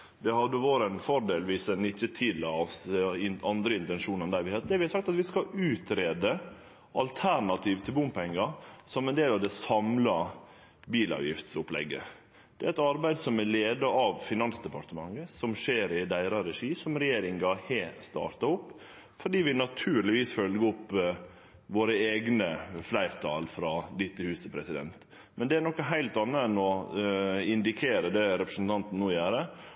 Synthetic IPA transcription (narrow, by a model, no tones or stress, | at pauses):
d̪ɛhɑd̪ːəʋoːɾɛnfɔɾɖeːlʋiːsɛnɪçːət̪ʰɪlːɑɔsɪnɑnd̪ɾəɪnt̪ɛnʃuːnɛnd̪æɪʋɪheːt̪̚d̪ɛæɾʋɪhɑɾsɑkt̪ɑt̪ʋɪskɑʉːt̪ɾeːd̪ə | ʔɑlt̪ʰæɾnɑt̪ʰiːʋt̪ʰɪlbʊmpʰɛŋːɑsɔmɛnd̪eːlɑʋd̪ɛsɑmlɑ | biːlɑ̰ːʋjɪ̰ft̪sʊplɛ̰ɡːə̰ | d̪̥ɛæɾɛt̪ɑɾbæɪd̪sɔmæleːd̪əɑʋfɪnɑnsd̪ɛpɑɾʈ̪əmɑŋːəsɔmʂeːɾɪd̪æɪɾɑɾɛʂiːsɔmɾɛjeːɾɪŋɡɑheːst̪ɑ̰ːɾt̪ɑʊpː | fɔɖiːʋɪnɑt̪ʰʉːɾlɪʋiːsfœlɡəɔpː | ʋoːɾəeːɡnəflæɪɾt̪ʰɑ̰ːlfɾɑd̪ɪt̪ʰːəhʉːst̪əpʰɾɛsɪd̪ɛ̰nt̪ | mɛnd̪ɛæɳɔkːəɦæɪlt̪ɑnːəɛnɔ | ɪnd̪ɪkʰeːɾəd̪ɛɾɛpɾəsn̩t̪ʰɑnt̪n̩nːuːjæːɾə